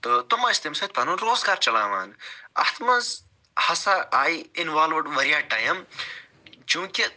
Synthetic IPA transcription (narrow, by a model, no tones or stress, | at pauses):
t̪ot̪umɐist̪imsɐp̪ɐnunɾoːzɡaːɾt͡ʃɐla̰ːʋa̰ːnɐ̰ht̪ʰmɐz | hɐsaaːiɪnʋaːlʋɐɖʋɐɾjaːʈaːjɐm | t͡ʃũːkʲi